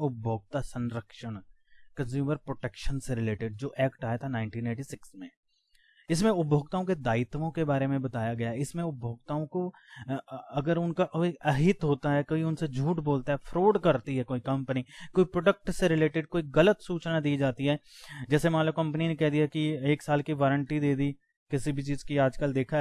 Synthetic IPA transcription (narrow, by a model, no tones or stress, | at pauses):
ʊb̚bʱoːɡ̚t̪asɐ̃nɾəkʃəɽ | kɐ̃nzjuːməɾpɾoːʈeːkʃənseɾɪleːʈɪɖ̚d͡ʒoːʔɛːkʈaːjet̪ʰanaːɪ̃ɳʈĩːneːʈisɪksmẽ | ɪsmẽʊbʱoːɡ̚t̪aːõked̪aːɪt̪ʋõkebaːɾemẽbɐt̪aːjaɡɐjaɛɪsmẽʊbʱoːɡ̚t̪aːõko | ɐɡəɾʊnkakoːiɐɦɪt̪ɦoːt̪aɦɛkoːiʊnsed͡ʒʱuːʈboːlt̪aɦɛfʰɾoːɖkɐɾt̪iɦɛkoːikɐ̃mpənikoːipɾoːɖək̚ʈseɾɪleːʈɪɖ̚koːiɣɐlət̪suːt͡ʃnad̪iːd͡ʒaːt̪iɦɛːd͡ʒɛːsemɐãləb̚kɐ̃mpəninẽkɛɦd̪ijakieːksaːlkiʋaːɾəɳʈid̪eːd̪i | kɪsibʱit͡ʃiːzkiaːd͡ʒkəld̪eːkʰa